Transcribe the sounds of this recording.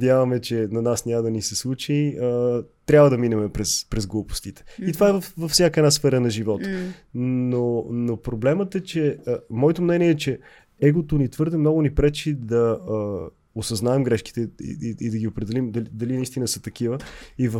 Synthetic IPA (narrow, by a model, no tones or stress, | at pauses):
d̪ʲjavəmɛt͡ʃɛnɐnasnʲaməd̪ɐnisɛslˠut͡ʃiət̪ɾʲabvəd̪ɐminɛmɛpɾɛspɾɛzɡlˠupo̥st̪it̪ɛ̥it̪ovaɛvɐfvɐfsʲjakəɛd̪nasfɛɾənɐʒivɔt̪ | nonopɾoblɛmət̪ɛt͡ʃɛəmɔɛt̪omnɛnʲiɛɛt͡ʃɛ | ɛɡot̪onit̪vɤɾd̪ɛmnɔɡʊnipɾɛt͡ʃid̪ɐə | osɐznaɛmɡɾɛʃki̥t̪ɛḭḭid̪ɐɡʲiopɾɛd̪ɛlimd̪ɐld̪ɐlinɐist̪inəsət̪ɐkivəivə